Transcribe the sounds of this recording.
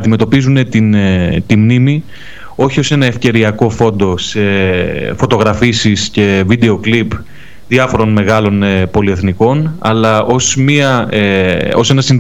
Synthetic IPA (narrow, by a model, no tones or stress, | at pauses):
d̪ime̞t̪o̞pizune̞t̪int̪imnimi | o̞çiose̞nɐe̞fce̞ɾiɐko̞fo̞nd̪o̞sefo̞t̪o̞ɣɾɐfisisce̞vid̪e̞o̞klip | ðiɐfo̞ɾo̞nme̞ɣɐlo̞npo̞lie̞θniko̞nɐ̰lɐo̞smiɐeo̞̰se̞nɐsin